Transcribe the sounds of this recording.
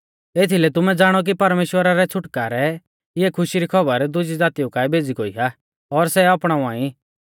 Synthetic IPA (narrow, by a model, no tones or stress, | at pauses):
eːt̪ʰilɛt̪ʊmɛd͡zaːɽ̃ɔk̬ipɐɾmeːʃwəɾaɾɛt͡sʰʊʈkaːɾɛ | ɪɛkʰʊʃiɾikʰɐbəɾd̪ʊd͡ʒid͡zaːt̪iʊkaːɛbʱeːd͡ziɡoːiɦa | ɔɾsɛapɽ̃aũaːĩ